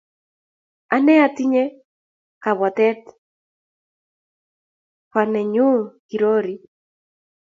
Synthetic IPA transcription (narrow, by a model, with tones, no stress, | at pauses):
a˦nɛ˦a˦t̪i˦ɲɛ˦ | ka˨βa˨t̪ɛ˦t̪ | pa˨nɛ˨ɲu˦ki˨ɾo˦ɾi˨